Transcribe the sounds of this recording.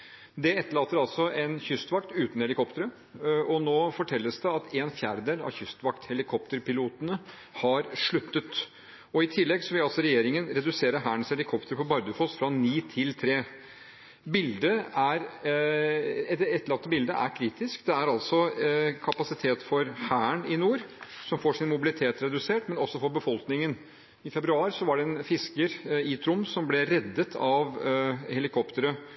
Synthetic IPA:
d̪ɛɛt̪ːəɭɑlːt̪ːəɾɑlsɔʔɛnçʏst̪ʋɑk̚t̪ʉːt̪n̩hɛlɪkʰɔpt̪əɾə | ʔɔnoːfɔʈʰɛlːəsd̪ɛɑt̪eːnfjæːɾəd̪eːlɑ̰ʋçʏst̪ʋɑkt̪hɛlɪkʰɔpt̪əɾpɪluːt̪ənə | hɑɾʂɭʉt̪ːət̪ | ɔɪt̪ʰɪlːɛɡsɔʋɪlɑlsɔɾɛjeːɾɪŋənɾɛd̪ʉseːɾəɦæːnshɛlɪkʰɔpt̪əɾpʰɔbɑɾd̪əfɔsfɾɑniːt̪ʰɪlt̪ʰɾeː | bɪld̪əæɾ | ɛt̪ɛt̪ːəɭɑk̚t̪əbɪld̪əʔæ̰ɾkʰɾiːt̪ɪskd̪ɛæɾɑlt̪sɔkʰɑpɑsɪt̪ʰeːt̪fɔɾhæːɳɪnuːɾsɔmfoːʂɪnmʊbɪlɪt̪ʰeːt̪ɾɛd̪ʉseːʈmɛnɔsːɔfɔɾbəfɔlknɪŋən | ɪfɛbɾʉɑːɾsɔʋɑɖɛɛnfɪskəɾiːt̪ʰɾʊmːsɔmblɛɾɛd̪ːət̪ʰɑʋhɛlɪkʰɔpt̪əɾə

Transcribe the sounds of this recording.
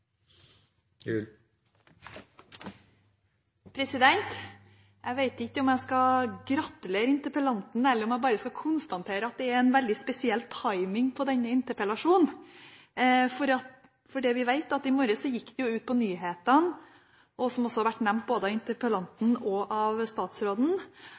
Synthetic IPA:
ʉ | pʰɾɛsɪd̪ɛnt̪ | ʔæɡʋæɪt̪ɪkːəɔmæɪskɑɡɾɑt̪ːəleːɾɪnt̪əɾpəlɑnt̪n̩ɛlːəɾɔmæɪbɑːɾəskɑkʰʊnst̪ɑnt̪ʰeːɾəɑt̪̚d̪ɛæɾɛnʋɛld̪ɪspɛsɪɛlt̪ʰɑɪmɪŋpʰɔd̪ɛnːəɪnt̪əɾpəlɑʂuːn̩ | fɔɾɑt̪ | fɔɖɛʋɪʋæɪt̪ɑt̪ːɪmɔɾəsɔjɪkːd̪ɛjʊʉːt̪̚pʰɔnyːɦeːt̪ən | ɔsɔmɔsɔhɑɾʋæʈːnɛmt̪̚boːd̪əɑʋɪnt̪əɾpəlɑnt̪n̩ɔʔɑʋst̪ɑːt̪sɾoːd̪n̩

